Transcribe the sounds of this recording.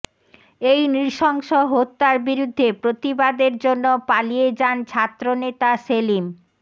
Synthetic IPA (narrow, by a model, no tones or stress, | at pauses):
ejnɾiɾʃɔŋʃoɦot̪ːaɾbiɾud̪ʱːepɾot̪ibad̪eɾd͡ʑonːopalijed͡ʑant͡ɕʰat̪ːɾonet̪aselim